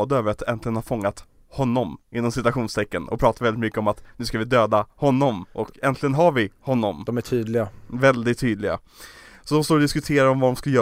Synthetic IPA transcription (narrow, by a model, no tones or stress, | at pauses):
d̪əøːvəɾat̪ɛnt̪lɪɡənhaɾfɔŋːat̪ | hɔnːɔmɪnːɔmsɪt̪ʉaɧuːnst̪ʰɛkːənɔ̰kpʰɾɑːt̪aɾvɛlɪt̪mʏkːəɔmat̪nʉ̟ːskavɪd̪øːd̪ahɔnːɔmʔɔkɛnt̪lɪɡənɦaɾvɪhɔnːɔmɔmæʈʰyːd̪lɪɡavɛld̪ɪt̪ʰːyːd̪lɪɡa̰ | sɔd̪ɔmst̪oːɾɔd̪ɪskɵt̪ʰeːɾaɾɔmvad̪ɔmskajœː